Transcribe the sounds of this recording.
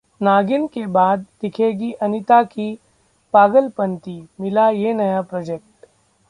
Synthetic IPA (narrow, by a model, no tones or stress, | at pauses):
naːɡɪnkebaːd̪̚ːɪkʰeːɡiʔɐnɪt̪aki | paːɡəlpɐ̃nt̪imɪlajenɐjapɾoːd͡ʒek̚ʈ